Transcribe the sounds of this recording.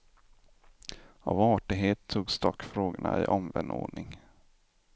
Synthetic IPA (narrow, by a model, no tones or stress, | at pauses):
avɑːʈɪɦeːt̪ʰːuːɡsd̪ɔkːfɾoːɡʊɳaʔɪʔɔmvɛnːo̰ːɳɪŋ